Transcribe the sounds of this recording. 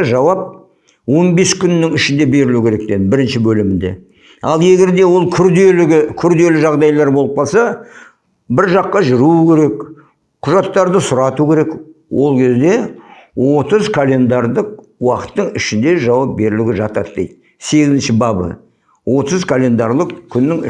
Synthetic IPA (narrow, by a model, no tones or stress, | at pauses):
ʒɑwɑp̚ | wo̞nbe̞skʲʰʏnːɪŋɪʃɪnd̪e̞be̞ɾɪlukʲeɾe̞k̚d̪ed̪ɪbɪɾɪnʃɪbɵlɪmɪnd̪e̞̰ | ɑlˠe̞ɡʲe̞ɾd̪e̞wo̞lˠkʲʰʏɾd̪elɪɡʲɪkʲʰʏɾd̪e̞lɪʒɑʁd̪ɑjlˠɑɾbo̞lˠəp̚qʰɑlˠsɑ | bɪɾʒɑqːɑʒʏɾukʲe̞ɾe̞k | qʰʊʒɑt̪ːɑɾd̪əsʊɾɑt̪ukʲʰe̞ɾe̞kwʔo̞lˠkʲʰe̞zd̪e̞wʔo̞t̪əzkʰalʲe̞nd̪ɑɾd̪ˠəq̚ | wɑqə̥t̪ːəɴɪʃɪnd̪e̞ʒɑwɑp̚be̞ɾɪlɪɡʲɪʒɑt̪ɑ̰t̪d̪ḛjt̪ | se̞ɡʲɪzɪnʃɪbɑbə̰ | wo̞t̪əzkʰalʲe̞nd̪ɑɾlˠəqkʲʰʏnːɪŋ